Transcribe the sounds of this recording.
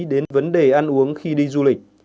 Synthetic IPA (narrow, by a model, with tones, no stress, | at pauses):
ɗe˨˦nvə˨˦nɗe˨˩ʔa˧nʔu˨˦əŋxi˧ɗi˧zu˧lï˨˩k̚